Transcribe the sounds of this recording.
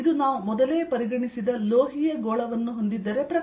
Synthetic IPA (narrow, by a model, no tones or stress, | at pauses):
d̪unaːʋumɔd̪ɐle̞ːpɐɾiɡɐɳisid̪ɐloːɦijɐɡoːɭɐʋɐnːuɦo̞nd̪id̪ːɐɾepɾɐ